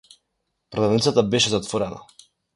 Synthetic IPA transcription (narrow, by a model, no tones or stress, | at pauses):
pɾɔd̪ad̪nit̪sat̪abɛʃɛzat̪vɔɾɛna̰